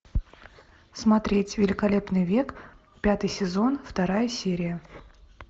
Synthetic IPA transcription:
smɐt̪ɾʲetʲvʲɪlʲɪkɐlʲe̞pnɨjvʲe̞k | pʲat̪ɨjsʲɪzo̞nft̪ɐɾajəsʲeɾʲɪjə

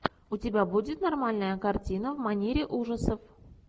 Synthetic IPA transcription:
ʊtʲɪbʲabudʲɪt̪nɐrmalʲnəjəkɐrtʲinəvmɐnʲeɾʲɪʔuʐəsəf

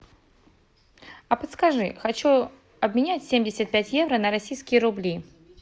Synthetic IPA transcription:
ɐpɐt̪skaʐɨ̰xat͡ɕu | ɐbmʲɪnʲat͡sʲsʲemʲdʲɪsʲət̪̚pʲæt͡sʲjɛvɾɐnɐɾasʲijskʲɪjəɾublʲi

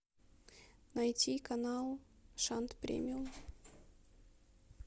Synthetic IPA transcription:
nɐjtʲikɐnalˠʂant̪pɾʲḛmʲɪum

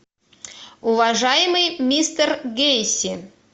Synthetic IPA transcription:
ʊvɐʐajɪmɨjmʲist̪ərɡʲejsʲɪ

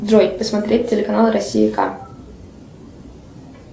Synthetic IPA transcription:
d̪rojt̚ʲpəsmɐt̪ɾʲet̚ʲtʲɪlʲɪkɐnalˠɨɾɐsʲːiɪka̰

